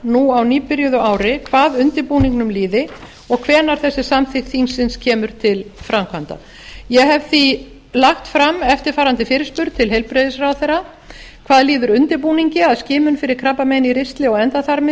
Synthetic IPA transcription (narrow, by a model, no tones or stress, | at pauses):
nuawniːpɪɾjɔðʏaːwɾɪkʰvaːðʏnt̪ɪpuːniŋknʏmliːðɪ | ɔɣkʰvɛːnaɾ̥θɛsːɪsamθɪxt̪iŋsɪnscʰɛːmʏɾ̥t̪ʰɪlfɾamkʰvant̪a̰ | jɛɣɦɛvθi | laxt̪fɾamɛft̪ɪɾ̥faːɾant̪ɪfɪːɾɪspʏɾt̪t̪ʰɪlɦɛjlpɾejðɪsrawθɛra | kʰvaːðliːðʏɾʏnt̪ɪɾpuːniɲcɪaðscɪːmʏnfɪɾɪɾ̥kʰɾapːamejniɾɪst̪lɪɔɣɛnt̪aθaɾmɪ